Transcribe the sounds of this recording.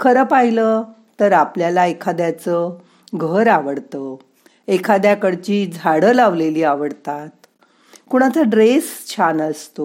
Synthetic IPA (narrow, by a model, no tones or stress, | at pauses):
kʰəɾəːpaɦilə | t̪əɾapljalaekʰad̪jat͡sə | ɡʱəɾaʋəɽt̪ə | ekʰad̪jakəɽt͡ɕiːd͡zʱaɽəlaʋleliːaʋəɽt̪at̪ | kuɽ̃at̪ʰəɖɾest͡ɕʰanəst̪o